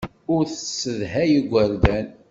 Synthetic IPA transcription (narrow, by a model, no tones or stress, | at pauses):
ʊɾθəsːəðɦæjəɡʷːəɾd̪æn